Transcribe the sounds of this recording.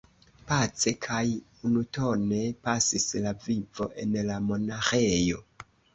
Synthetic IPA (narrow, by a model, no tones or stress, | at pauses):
pat͡se̞kʰaj | unuto̞ne̞pasislavivo̞ʔe̞nlamo̞naxe̞jo̞